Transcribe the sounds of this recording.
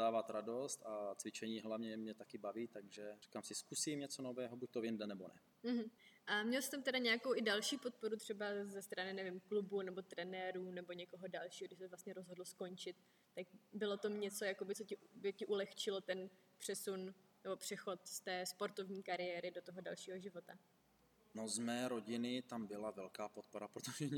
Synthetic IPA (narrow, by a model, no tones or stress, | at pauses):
aːvat̪ɾadost̪at͡svɪt͡ʃɛɲiːɦlavɲɛmɲɛt̪akɪbaviːt̪aɡʒɛri̥kamsɪskusimɲɛt͡sonovɛːɦobuc̚t̪ojɪndɛnɛbo̰nɛ̰ | m̩ɦ̩ʔamɲɛlsɪ̥t̪amt̪ɛdaɲɛjakowʔɪdalʃiːpo̞t̪̚po̞ɾut̪r̝̥ɛbazɛst̪ɾanɪnɛvɪmklubunɛbo̞t̪ɾɛnɛːɾunɛbo̞ɲɛko̞ɦo̞dalʃiːɦoɡdɪʃsɛvlast̪ɲɛɾozɦo̞dl̩sko̞nt͡ʃɪt̪̚ː | akbɪlo̞t̪omɲɛt͡so̞jako̞bɪt͡socɪbɪcɪʔulɛxt͡ʃɪlo̞t̪ɛn | pr̝̥ɛsunnɛbo̞pr̝̥ɛxo̞t̪st̪ɛːspo̞ɾt̪ovɲiːkaɾɪjɛːɾɪdo̞t̪oɦoda̰lʃiːɦoʒɪvo̞t̪a | nozmɛːɾo̞ɟɪnɪt̪ambɪlavɛlkaːpot̪̚poɾapɾot̪oʒɛɲ